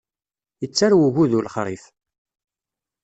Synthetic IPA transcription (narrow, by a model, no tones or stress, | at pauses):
jət͡sːaɾwəʝuðulχɾˤiθ